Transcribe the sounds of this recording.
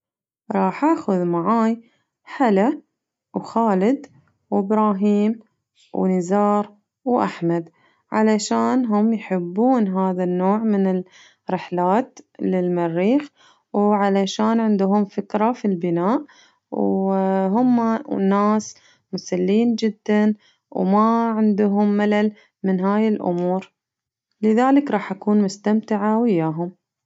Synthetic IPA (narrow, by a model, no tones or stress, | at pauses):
ɾˤɑːħʔaːxʊðmaʕaːj | ħala | wxaːlɪd̪ | wɪbɾɑːɦiːm | wnɪzɑːɾˤ | wʔaħmad̪ | ʕa̰laʃaːnɦʊmjħɪbːuːnɦaːðanːoːʕmɪnɪl | ɾɪħlaːt̪lɪlmarːiːx | wʕalaʃaːnʕɪnd̪ʊɦʊmfɪkɾˤafilbɪnaːʔ | wɦʊmːanːaːs | mʊsalːiːnd͡ʒɪd̪ːan | wmaʕɪnd̪ʊɦʊmːalal | mɪnɦaːjɪlʔʊ̰muːɾ | lɪðaːlɪkɾˤɑːħʔakuːnmʊst̪amt̪ɪʕawɪjːaːɦʊm